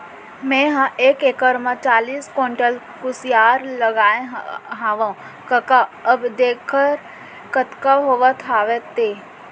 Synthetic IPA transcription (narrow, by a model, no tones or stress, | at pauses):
mẽɦãʔeːkeːkəɾmat͡ʃaːliːskoːɳʈəl | kʊsijaːɾləɡaːẽɦɦãːʋã | kɐkaəbd̪eːkʰːəɾ | kət̪kaɦoːʋət̪ʰaːʋet̪eː